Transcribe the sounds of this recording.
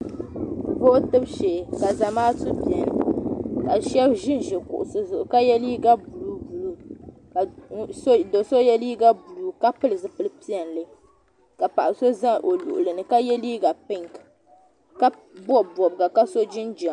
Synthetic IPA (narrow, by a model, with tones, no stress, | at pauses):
vo˦tɨ˦bʃɛː˨ka˨za˨maː˦tɨ˦pi˨ɛ˨n˨ka˨ʃɛ˦bʒɪ˦nʒɛ˨kʊ̰˨ʔʊ˨sɨ˨zʊ˨ʔʊ˨ka˦jɛ˦li˦ɡa˦bu˨lu˨bu˨lu˨ka˨sdo˨so˦jɛ˦liː˦ɡa˦bu˨lu˨ka˦pɨ˦lɨ˨zɨ˨pɨ˦lɨ˦pi˦ɛ˨nlɨ˦ | ka˨pa˨ʔa˨so˦za˦ʔo˨lṵ˨ʔʊ˨lɨ˨nɨ˨ka˦jɛ˦liː˦ɡa˨pɨ˦ŋk | ka˦ | bɔ˦bɔ˨bɡa˨ka˦so˦d͡ʒi˦nd͡ʒa˨